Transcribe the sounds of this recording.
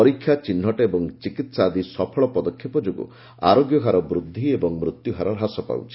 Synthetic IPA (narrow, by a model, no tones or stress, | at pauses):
ɔɾikʰːjat͡ʃin̤ːɔʈeebɔŋt͡ʃikit̪saːd̪isɔpʰɔɭɔpɔd̪ɔkʰːjipɔd͡ʒoɡṵ | a̰ɾoɡjɔɦaɾɔbɾud̪ʱːiebɔŋmɾut̪juɦaɾɔɾɦasɔpa̰wt͡ʃʰi̥